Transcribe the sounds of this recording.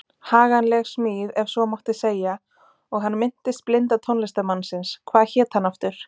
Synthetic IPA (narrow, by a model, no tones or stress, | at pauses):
haːɣanlɛɣsmiːðɛvsvɔmɔwht̪ɪseːja | ɔɣɦanːmɪn̥t̪ɪst̪̚plɪnt̪at̪ʰownlɪst̪amanːsɪnskʰvaːðçɛːt̪hanːaft̪ʏɾ̥